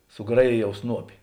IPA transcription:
sʊˈɡrɑːjeːjɛʊ ˈsnuɔpʲɪ

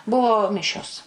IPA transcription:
ˈbʊʋoː ˈmʲɪʃʲoːs

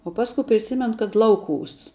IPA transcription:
oː ˈpɑːskʊ pʲrʲɪˈsʲɪmʲɛn kɐt ˈlˠɐʊˌkuːs

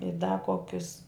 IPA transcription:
ɪ dɐ ˈkoːkʲʊs

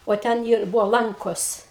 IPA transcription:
oː ˈtʲɛn ɪr ˈbʊʋoː ˈlˠɐŋkoːs

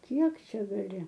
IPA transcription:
ˈkʲiɛk ˈt͡ʃʲɛ ɡɐˈlʲɪ

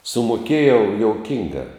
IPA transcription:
sʊmoːˈkʲeːjɛʊ joːʊˈkʲɪŋɡɐ

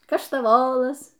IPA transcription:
kɐʃtɐˈʋoːlˠɐs

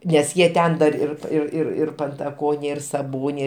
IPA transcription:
nʲɛs ˈjiɛ ˈtʲɛn dɐr ɪr ɪr ɪr ɪr pɐntɐˈkoːnʲeː ɪr sɐˈboːnʲeː

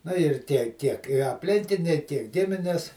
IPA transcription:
ˈnʊ ɪr ˈtʲiɛ tʲiɛk ɪ ɐpʲˈlʲɪŋʲkʲɪnʲɛɪ tʲiɛk ˈɡʲɪmʲɪnʲɛs

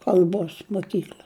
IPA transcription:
kɐlˠˈboːs moːˈkʲiːklʲɐ

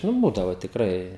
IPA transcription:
nʊ ˈbuːdɐʋoː tʲɪkˈrɐɪ

